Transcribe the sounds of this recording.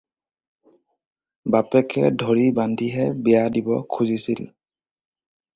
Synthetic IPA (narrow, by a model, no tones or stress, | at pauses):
bapɛkʰɛ̰dʱoɹibandʱiɦɛbɛjadibɔ̰kʰuzisil